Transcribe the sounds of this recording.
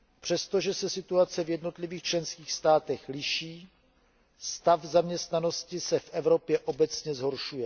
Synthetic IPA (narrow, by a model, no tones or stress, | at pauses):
pr̝̥ɛst̪o̞ʒɛsɛsɪt̪uat͡sɛvjɛdno̞t̪lɪviːxt͡ʃlɛnskiːxst̪aːt̪ɛxlɪʃiː | st̪avzamɲɛst̪nano̞scɪsɛfʔɛvɾo̞pjɛʔo̞bɛt͡sɲɛzɦo̞ɾʃujɛ